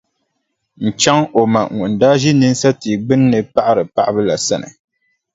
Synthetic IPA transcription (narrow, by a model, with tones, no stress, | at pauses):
n̩˨t͡ʃa˦ŋo˨ma̰˨ŋu˨n̩˨daː˦ʒi˦nɨ˦n˦sa˦ti˨ɡ͡bɨ˦nːɨ˨pa˦ʔa˦ɾɨ˨pa˦ʔa˦bɨ˦la̰˨sa˦nɨ̰˨